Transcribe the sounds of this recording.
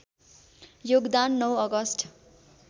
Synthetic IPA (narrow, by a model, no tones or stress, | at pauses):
joɡd̪anːʌwʌɡʌsʈʰ